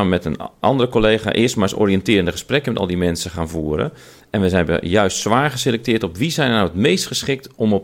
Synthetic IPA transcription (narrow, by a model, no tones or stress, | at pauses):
məmɛtənʔɑ̰ndərəkolejχa̰ːʔɪəstmaːɹso̰riɛntɪːɾəndəχəsprɛkəmɛtɔ̰lˠdimɛnsəχaːnvuːəɾə̰ | ɛnʋəzɛjnb̰jœɥstsʋaːɹχəselɛk̚tɪːtɔpʋizɛjnnawətmejstχəsχɪk̚tɔmɔp̚